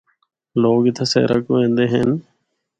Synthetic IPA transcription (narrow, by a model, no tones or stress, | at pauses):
loːɡɪt̪ʰeːsḛːɾə̰kʋẽːnd̪eːɦən